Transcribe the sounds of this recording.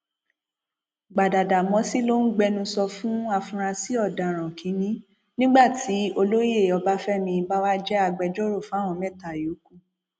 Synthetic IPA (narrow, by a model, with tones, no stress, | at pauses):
ɡ͡ba˨da˨da˨mɔ̃˨˧˦si˦˨lo˦n̩˦ɡ͡bɛ˧nũ˧sɔ˧fũ˦a˧fũ˧ɾ̃ã˧si˦ɔ˦˨da˨ɾ̃ã˨kʰĩ˨˦nĩ˦ | nĩ˦ɡ͡ba˦˨tʰi˨˦o˧lo˦je˦˨ɔ˧ba˦fɛ˦mĩ˧ba˦wa˦d͡ʒɛ˦a˧ɡ͡bɛ˧d͡ʒo˦ɾo˦˨fũ˦a˦˨w̃ɔ̃˧mɛ˦˨ta˨ju˨˦ku˦˨